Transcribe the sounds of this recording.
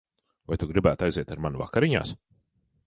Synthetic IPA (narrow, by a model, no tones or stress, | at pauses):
vajt̪uɡɾibæːt̪ajziɛt̪aɾmanuva̰kaɾiɲa̰ːs